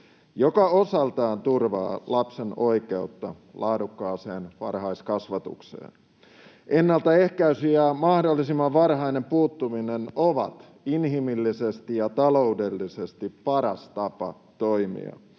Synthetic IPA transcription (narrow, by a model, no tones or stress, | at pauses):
jokɑosɑlt̪ɑːnt̪urʋɑ̰ːlɑpseno̞ike̞ut̪ːɑ | lɑːdukːɑːseːnʋɑ̰rhɑiskɑsʋɑt̪ṵksḛːn | ʔenːɑlt̪ɑe̞hkæysiæmɑhdolːisimːɑʋʋɑrɦɑijnempuːt̪ːuminenoʋɑ̰t̪ | inɦimilːisest̪ijɑt̪ɑloude̞lːisest̪ippɑɾɑst̪ɑpɑ̰ | t̪oimḭɑ̰